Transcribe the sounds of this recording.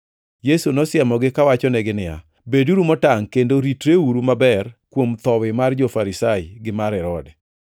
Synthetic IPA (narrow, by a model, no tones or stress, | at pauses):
jesunɔsjɛmɔɡɪkawat͡ʃɔnɛɡɪnɪja̰ | beduɾumɔtaŋkendoɾitɾeuɾumabɛrkwomt̪ɔwɪmard͡ʒofaɾisaɪɡɪmaɾɛɾɔdɛ